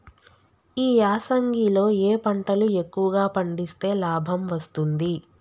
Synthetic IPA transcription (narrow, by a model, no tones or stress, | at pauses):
iːaːsɐŋɡilo̞ːeːpɐɳʈɐlue̞kːuʋɐɡaːpɐɳɖist̪e̞ːlaːbʱɐmʋɐst̪und̪i